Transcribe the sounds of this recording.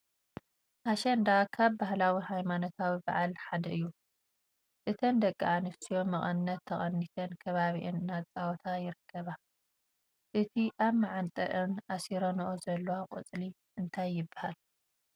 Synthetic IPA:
ʔaʃɐnd̪akʰaβbahlawihajmano̞t̪ʰawiba̰ʕalħad̪ɐɨjːu | ʔɨt̪ʰɐnd̪ɐkʼːaʔanɨfsijo̞mɐχʼɐnɨnːɐt̪ʰːɐχʼɐnːit̪ʰɐnkʰɐβaβiʔɨnɨnat͡sʼawɔt̪ʰajɪɾɨkʰːɐβa | ʔɨt̪ʰiʔaβmaʕant̪ʼɐ̰ʔɨnʔasiɾonʔozɐlːowakʼɨ̰t͡sʼli | ʔɨnt̪ʰajːɪbḁhal

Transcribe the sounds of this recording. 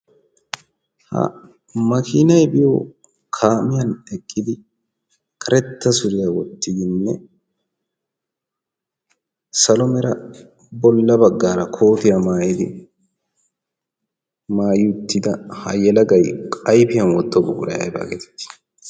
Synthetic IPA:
hɐ̰ | mɐkɪːnɐjbɪjɔ | kʰaːmɪjɐnɛkʼːɪd̪ɪ | kʰɐɾɛt̪ːɐsʊɾɪjɐwɔt̪ːɪd̪ɪnːɛ | sɐlɔmɛɾɐ | bɔlːɐbɐɡːaːɾɐkʰo̞ːt̪ɪjɐmaːjɪd̪ɪ | maːjɪʊt̪ːɪd̪ɐhɐ̰jɛlɐɡɐjkʼɐjpɪjɐnwɔt̪ːɔbʊɡʊɾɐ̰jɐ̰jba̰ːɡɛt̪ɪ̥t̪ːɪ̥

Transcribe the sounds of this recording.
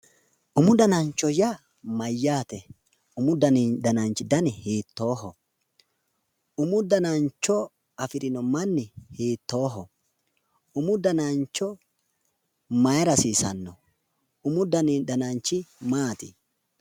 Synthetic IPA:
ʔʊmʊd̪ɐnɐnt͡ʃːɔjɐ | mɐjːaːt̪ɛ | ʊmʊd̪ɐd̪ɐnɐnt͡ʃːɪd̪ɐnɪhiːt̪ːo̞ːɦɔ | ʔʊmʊd̪ɐnɐnt͡ʃːɔ | ɐfɪɾɪnɔmɐnːɪhiːt̪ːo̞ːɦɔ | ʊmʊd̪ɐnant͡ʃːɔ | mɐjɾɐsiːsɐnːɔ | ʊmʊd̪ɐnd̪ɐnɐnt͡ʃːɪmaːt̪ɪ

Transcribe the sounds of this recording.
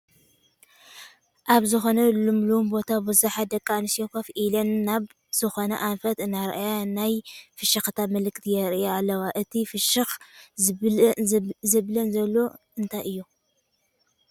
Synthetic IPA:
ʔaβzɨxo̞nɐlɨmlumbo̞t̪ʰabɨzuħad̪ɐkʼːanɨsjokɐfʔilɐnːaβ | z̥ɨxo̞nɐ̰ʔanfɐt̪ɨnaɾʔajanajfɨʃɐxt̪ʰamɨlɨkt̪ʰijɛɾoalːɐwaʔɨt̪ʰifɨʃɨx | zɨβlɐnzɐlːo | ɨnt̪ʰajɨjːu

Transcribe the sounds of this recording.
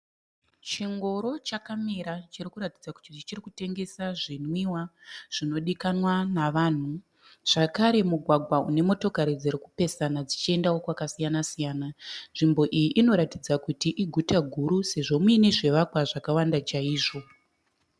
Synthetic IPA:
t͡ʃiŋɡo̞ɾo̞t͡ʃakameɾat͡ʃirikuɾatid͡zaku̥tit͡ʃit͡ʃirikute̞ŋɡe̞saʐinwiwaʐ̥ino̞ɗikanwanaʋaːn̤u | ʐ̥akaɾe̞muɡʱwaɡʱwaune̞mo̞to̞kaɾid͡ziɾikupe̞sanad͡zit͡ʃie̞ndawo̞kwakasijanasijaːnanʐimbo̞ʔijiʔino̞ɾatid͡zakutiʔiɡʱutaɡʱuɾuse̞ʐo̞muine̞ʐe̞ʋakwaʐakawandat͡ʃaiːʐo̞

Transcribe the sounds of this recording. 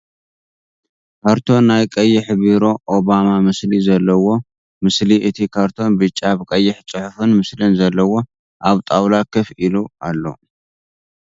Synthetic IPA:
kʰaɾt̪ʰo̞nːajkʼɐjːɪħβiɾo̞ʔoβamamɨslizɐlːɐwo̞ | mɨsliʔɨt̪ʰikʰaɾt̪ʰo̞nbɨt͡ʃʼːaβkʼɐjːɪħt͡sʼɨħʊfɨnmɨslɨnzɐlːɐwo̞ | ʔaβt̪ʼawlakʰɨfʔilualːo̞̰

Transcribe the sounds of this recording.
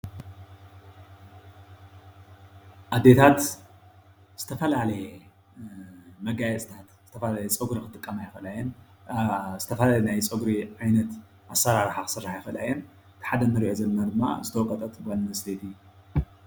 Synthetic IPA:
ʔad̪ːe̞t̪ʰat̪ | z̥ɨ̥t̪ʰɐfɐlalɐjɛ | mɐɡajɛt͡sʼt̪ʰat̪z̥ɨt̪ʰɐfɐlalɐjɛt͡sʼɐɡɾikʰɨt̪ʼɨkʼːɐmajɪfɐlajɛn | zɨt̪ʰɐfɐlalenajt͡sʼɐɡɾiʕajnɐt̪ | ʔasːɐɾaɾħakɨsɨrːaħjɪfɐla̰jɛn | t̪ħad̪ɐnɨɾiʔozɐlnad̪ɨmːa̰zɨt̪ʰɐwkʼːɐt̪ʼɐt̪banmɐst̪ʰet̪ʰi

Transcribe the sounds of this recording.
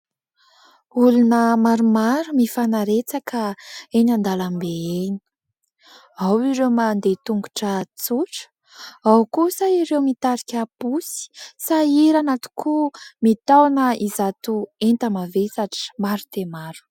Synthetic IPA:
ulunəmaɾumaɾumifanaɾet͡sakəenand̪alambeeni̥ | awiɾewmand̪et̪uŋɡuʈ͡ʂət͡suʈ͡ʂə̥ | awkusəiɾewmit̪aɾikʲapusi̥saiɾanat̪u̥kʰumit̪awnəizat̪uent̪əmavesaʈ͡ʂi̥maɾut̪emaɾu̥

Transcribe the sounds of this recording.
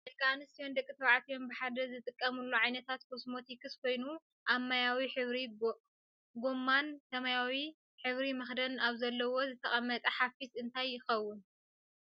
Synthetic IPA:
ʔelkʰʼanɨst̪ijo̞nd̪ɐkʼːɨt̪ʰɐβʕat̪ijo̞mbɨħad̪ɐzɨt̪ʼɨkʼːɐmulːuʕajnɐt̪ʰat̪kʰosmo̞t̪ʰikʰɨskʷʰo̞jnu | ʔamːajawiħɨβɾi | ɡomːant̪ɐmajawi | ħɨβɾimɐxd̪ɐnaβzɐlːɐwo̞zɨt̪ʰɐχʼɐmːɐt̪ʼɐħafisɨnt̪ʰajːɪxɐwːʊn

